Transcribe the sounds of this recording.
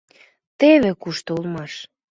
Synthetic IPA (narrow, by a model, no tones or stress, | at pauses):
t̪eβekuʃt̪oulmɑʃ